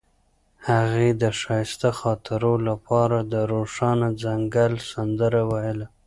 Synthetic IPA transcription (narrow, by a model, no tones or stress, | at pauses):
haɣed̪əʃɑjst̪axɑt̪ɪɾolapɑɾad̪əɾoʂɑnad͡zaŋɡalsand̪əɾawajəla